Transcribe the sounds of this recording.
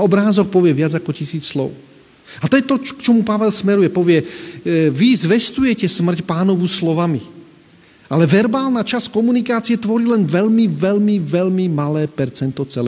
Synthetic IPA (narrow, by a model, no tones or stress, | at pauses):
ɔbɾaːzɔk̚pɔʋɪɛʋɪad͡zakɔcisiːt͡sslɔ̰ʊ | at̪ɔjɛt̪ɔkt͡ʃɔmupaʋɛlsmɛɾujɛpɔʋɪɛ | ʋizʋɛst̪ujɛcɛsmr̩cpaːnɔʋuslɔʋami | alɛʋɛɾbaːlnat͡ʃaskɔmunikaːt͡siɛt̪ʋɔɾiːlɛnʋɛʎmiʋɛʎmiʋɛlmimalɛːpɛɾt͡sɛnt̪ɔt͡sɛlɛ